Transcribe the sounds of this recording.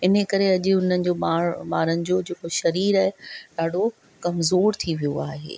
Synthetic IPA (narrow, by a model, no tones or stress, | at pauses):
ɪn̤əkɐɾeɐʄɪ̆ʊn̤ənɪ̆d͡ʑoːaːɾmaːɾənɪ̆d͡ʑoːd͡ʑeːkoʃɐɾiːɾaːɦɪɗaːɖʱo | kɐmzoːɾt̪ʰiʋijoaːɦḛː